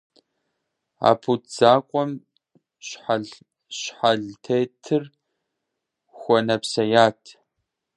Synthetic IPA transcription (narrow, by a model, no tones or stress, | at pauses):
a̰ːpʰutʰz̥aːkʷʼɔm | ɕħaɮ | ɕħaɮtʰeːtʰɨr | xʷɔnɐpsɐjaːtʰ